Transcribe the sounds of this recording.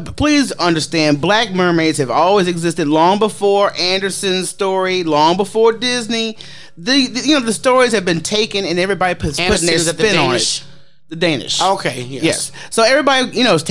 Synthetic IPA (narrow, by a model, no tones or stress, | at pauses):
pʰl̥izʌ̃ndə˞stæ̃nd̚blæk̚mɜ˞meɪz̥ɨvɔlˠwizɨɡzɪstɨdˡlɔ̃ŋbəfɔɹʔæ̃ndə˞sɨ̃nz̥stɔɹilɔ̃ŋbəfɔɹdɪzni | ðɨjɨnoʊðɨstɔɹiz̥ɨvbɨ̃ntʰeɪkɨ̃nɨ̃nɛvɹibɑɾipʰpʊ̃ə˞sɪ̃nnə̃nɪ | ðɨdẽɪ̃nɨ̰ʃoʊkʰeɪjɛjɛ̰sː | oʊɛvɹibɑɾijɨñoʊz̥tʰ